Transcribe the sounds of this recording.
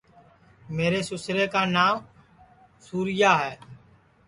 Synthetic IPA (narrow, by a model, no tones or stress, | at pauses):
meːɾeːsʊsɾeːkaːnaːm | suːɾɪjaːɦɛː